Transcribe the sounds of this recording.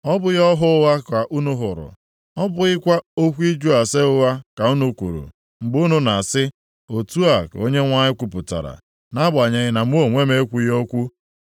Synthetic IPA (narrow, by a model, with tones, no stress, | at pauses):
ɔ˦bʊ˦jɔ˦ɦʊ˦wa˦ka˨ʔu˦nu˦ɦʊ˨ɾʊ̰˨ | ɔ˦bʊ˨ɣɪ˦kʷa˦o˦kʷi˦d͡ʒu˦a˨se˦ʊ˦wa˦ka˨u˦nu˦kʷṵ˨ɾṵ˨ | ŋ͡m̩˨ɡ͡bu˦nu˦na˨a˨sɪ˦ | o˨tu˦a˨ko̰˦ɲe˦ŋʷa˦ɲɪ˦kʷu˨pʊ˨ta̰˨ɾa̰˨ | na˦ba˨ɲe˨ɣɪ˦na˨mu˦o˨ŋʷe˦me˦e˦kʷu˦jo˦kʷu˦